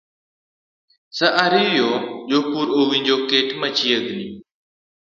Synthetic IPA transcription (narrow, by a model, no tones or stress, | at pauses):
səʔaːɾiːʋɪjoːʄoːpuːɾoːʋĩːɲd͡ʒoːkeːʈʰmət͡ʃʰiːəɡʱniː